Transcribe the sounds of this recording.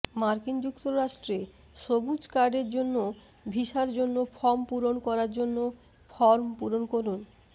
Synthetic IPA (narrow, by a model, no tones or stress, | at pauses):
maɾkind͡ʑukt̪oɾaʃʈɾe | ʃobud͡ʑkaɾɖeɾd͡ʑonːo | bʱiʃaɾd͡ʑonːofʰɔɾmpuɾonkɔɾaɾd͡ʑonːo | fʰɔɾmpuɾonkoɾun